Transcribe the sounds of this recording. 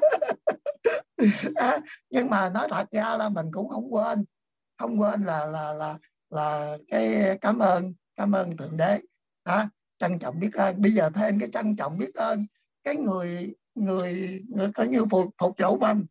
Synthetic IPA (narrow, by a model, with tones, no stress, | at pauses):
ʔaː˨˦ɲɨ˧ŋmaː˨˩nɔ˨˦jt̪ʰə˨˩t̚zaː˧laː˨˩mï˨˩ŋ̟kʊ̰˧˥ŋ͡mxə˧wŋ͡mkwe˧n | xə˧wŋ͡mkwe˧nlaː˨˩laː˨˩laː˨˩ | laː˨˩kaː˨˦jkaː˨˦mʔəː˧nkaː˨˦mʔəː˧nt̪i˨˩˨nɗe˨˦ | haː˨˦ | t͡ɕa˧ŋt͡ɕɔ̰˧˨ŋ͡mɓi˦˥ət̚ʔəː˧nɓə˧jzəː˨˩t̪ʰe˧mkaː˨˦jt͡ɕa˧ŋt͡ɕɔ̰˧˨wŋ͡mɓi˦˥ət̚ʔəː˧n | kaː˨˦jŋɨ˨˩əj | ŋɨ˨˩əjkɔ˨˦ɲɨ˧fʊ˨˩t̚fʊ˨˩k͡p̚t͡ɕṵ˧˩˦mə˨˩ŋ